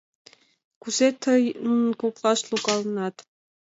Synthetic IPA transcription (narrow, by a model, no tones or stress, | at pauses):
kuzet̪ʰɤjnkoklˠɑʃlˠukɑlˠnɑt̪